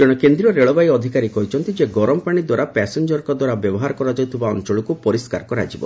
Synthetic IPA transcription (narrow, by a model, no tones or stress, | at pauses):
d͡ʒɔɽ̃ɔkend̪ɾiɔɾeɭɔbajɔd̪ʱikaɾikɔɦit͡ʃʰɔnt̪id͡ʒeɡɔɾɔmɔpaɽ̃id̪waɾapɛsend͡ʒɔɾɔkɔd̪waɾabjɔbɔɦaɾɔkɔɾad͡ʒawt̪ʰibaɔnt͡ʃɔɭɔkupɔɾiskaɾɔkɔɾa̰d͡ʒibɔ̰